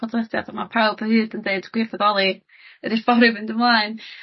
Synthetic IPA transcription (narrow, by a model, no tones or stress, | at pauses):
ɔdlˠədja̰damapʰawlˠbʰəhɨːdəndeɨdɡwɪfɔðɔlˠi | əɾɪfɔɾɨvɨndəmlˠaːɨn